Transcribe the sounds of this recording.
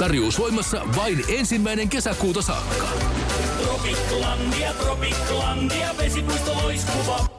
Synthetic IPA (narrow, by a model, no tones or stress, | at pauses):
t̪ɑrjoːsojmɑsːɑ̰ʋɑinensimːæjne̞ŋkesækuːt̪ɑsɑ̰ːkːɑ | t̪ropikːlɑnd̪iɑt̪ropikːlɑnd̪iɑʋesikust̪ɑloiskuʋɑ